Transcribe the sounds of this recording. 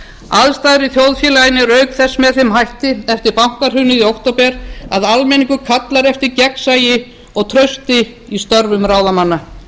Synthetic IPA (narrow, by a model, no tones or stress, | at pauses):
aðst̪aːðɾɪθjowðfjɛːlajɪnɪɾœɥkθɛsːmɛðθɪmɦajht̪ɪɛft̪ɪɾpawŋ̥kaɾ̥hʏnɪðiowht̪owpɛɾaðalmɛniŋkʏkʰat̪laɾɛft̪ɪɾcɛksaːjɪ | ɔɣt̪ʰɾœɥst̪ɪ | ist̪œɾvʏmraːwðamanːa